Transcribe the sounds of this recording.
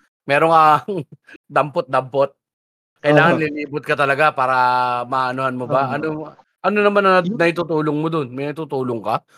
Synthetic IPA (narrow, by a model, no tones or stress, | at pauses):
mɛːɾoŋɐ | d̪ɐmpot̪̚d̪ɐmpot̪̚ | kɐjɪlaːŋɐlɪliːbʊt̪̚kɐt̪ɐlɐɡapaːɾɐmɐʔɐnohɐnmobaʔɐno | ʔɐnonɐmanːɐnɐnɐjt̪ʊt̪uːloŋmod̪onmɪnɐjt̪ʊt̪uːloŋkɐ